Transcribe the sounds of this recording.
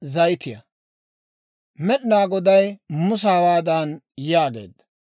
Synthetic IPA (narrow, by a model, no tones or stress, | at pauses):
zɐjt̪ɪjɐ̰ | mɛɗɪnaːɡɔd̪ɐjmʊs̬aːwaːd̪an | jaːɡe̞̰ːd̪ːɐ̥